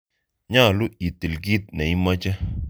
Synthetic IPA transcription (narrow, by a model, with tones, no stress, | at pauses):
ɲa˦˨lu˦i˨ti˨lɡi˦t̪̚nɛ˨i˦ma˦t͡ʃɛ˦